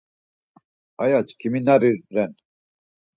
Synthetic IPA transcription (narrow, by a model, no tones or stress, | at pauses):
ajat͡ʃkʰiminaɾiɾːɛn